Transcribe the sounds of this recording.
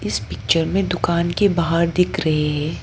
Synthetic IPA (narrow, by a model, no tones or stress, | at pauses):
ɪspɪk̚t͡ʃəɾmẽd̪ʊkaːnkebaːɦəɾd̪ɪkʰɾɐɦeɦɛ̃ː